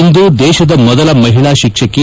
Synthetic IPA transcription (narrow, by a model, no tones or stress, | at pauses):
nd̪ud̪ɛːʃɐd̪ɐmɔd̪ɐlɐmɐɦiɭaːʃikʂɐkːe